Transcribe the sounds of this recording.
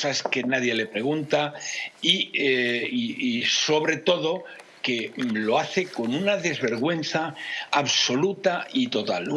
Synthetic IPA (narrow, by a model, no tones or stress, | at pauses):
saeske̞naðje̞le̞pɾe̞ɣunt̪ai | iiso̞βɾe̞t̪o̞ð̞o̞ | ke̞lo̞aθe̞ko̞nunaðe̞zβe̞ɾɣwe̞n̟θaːβso̞lut̪ait̪o̞t̪al